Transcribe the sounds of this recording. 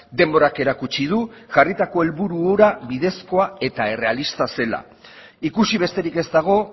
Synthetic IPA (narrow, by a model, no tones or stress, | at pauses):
d̪e̞mbo̞ɾake̞ɾakut͡ʃið̞uʝarit̪ako̞e̞lβuɾuoɾaβið̞e̞sko̞ae̞t̪ae̞re̞alist̪ase̞la̰ | ikusiβ̞e̞st̪e̞ɾike̞zd̪aɣ̞o̞